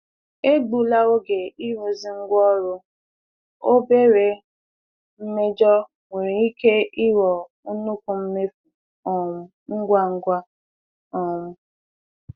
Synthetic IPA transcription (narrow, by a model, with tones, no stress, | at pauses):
e˦ɡ͡bu˨la˦o˦ɡe˨i˦ɾu˨zɪ˦ŋ̩˦ɡʷɔ˦ɾʊ˦ | o˦be˦ɾe˨ | m̩˦me˦d͡ʒɔ˦ | ŋʷe˨ɾe˨i˦ke˦i˦wɔ˨ | u˦nu˦kʷu˨m̩˦me˦fu˨˦ | ŋ̩˦ɡʷa˦ŋ̩˦ɡʷa˦ | ɔ˨mʊ˦